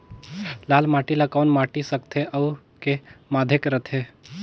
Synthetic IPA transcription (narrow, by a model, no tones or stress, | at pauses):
laːlmaːʈilakɔːnmaːʈisəkt̪ʰeʔəu | kemaːd̪ʱekɾət̪ʰe